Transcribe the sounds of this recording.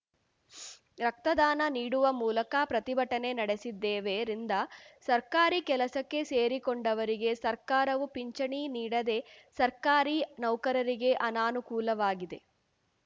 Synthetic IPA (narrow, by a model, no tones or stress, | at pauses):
ɾɐk̚t̪ɐd̪aːnɐniːɽuʋɐmuːlɐkapɾɐt̪ibʱɐʈːɐne̞nɐɽe̞sid̪ːɛːʋeːɾind̪ɐsɐɾkaːɾikɛlɐsɐkːe̞seːɾikoɳɖɐʋɐɾiɡe̞sɐɾkaːɾɐʋupiɲt͡ʃɐɳiniːɽɐd̪e̞sɐɾkaːɾinɐwkɐɾɐɾiɡe̞ʔɐnaːnukuːlɐʋaːɡid̪e̞